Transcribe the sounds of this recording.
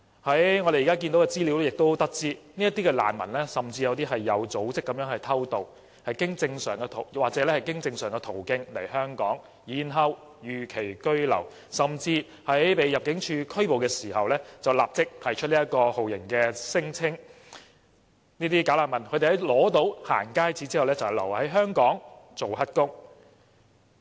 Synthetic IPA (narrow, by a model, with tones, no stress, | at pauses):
hɐ˨˥jŋɔː˨˧ɾe˨jːkaː˥k̬iː˧nt̪o˨˥wkɛ˧t͡siː˥li˨˧wɛ˥jɪ˨k̚t̪o˥wt̪ɐ˥k̚t͡siː˥ni˥ɐ˥t̪iː˥kɛ˧la̰ː˨˩nmɐ̰˨˩nlɛː˥sɐ˨˩mt͡si˧jɐ˨˧wt̪iː˥ɦɐ˨jːɐ˨˧wt͡so˨˥wt͡sɪ˥kːɐ˨˧mjœː˧˥ŋhɐ˨jt̪ʰɐ˥wt̪o˨w | hɐ˨jkɪ˥ŋt͡sɪ˧ŋsœ̰ː˨˩ŋkɛ˧t̪ʰo̰˨˩wwaː˨k̚t͡sɛː˨˦˥lɛː˥hɐ˨jkɪ˥ŋt͡sɪ˧ŋsœː˨˩ŋkɛ˧t̪ʰo˨˩wkɪ˧ŋlɐ˨˩jhœː˥ŋkɔ̰ː˨˥ŋ | jiː˨nɦɐ˨˧w | jyː˨kʰe˨˩jkɵ˥ɥlɐ̰˨˩w | sɐ˨˩mt͡siː˧ | hɐ˨˥jjpe˨jɐ˨p̚kɪ˨˥ŋt͡ʃʰyː˧kʰɵ˥ɥpo˨wkɛː˧siː˨˩hɐ˨wlɛː˥t͡sɐ˨wlaː˨p̚t͡sɪ˥k̚t̪ʰɐ˨˩jt͡ʃʰɵ˥t̚liː˥t̚kɔː˧ho˨wjɪ˨˩ŋkɛː˧sɪ˥ŋt͡sʰɪ˥ŋ | niː˥t̪iː˥kaː˨˥laː˨˩nmɐ˨˩nkʰɵ˨˧t̪e˨˩hɐ˨˥jlɔː˨˥t̪o˨˥wha̰ː˨˩nkaː˥jt͡siː˨˥t͡siː˥hɐ˨wlɛː˥t͡sɐ˨whjlɐ̰˨˩whɐ˨˥jɦœː˥ŋkɔː˨˥ŋt͡so˨whɐ˥t̚kʊ˥ŋ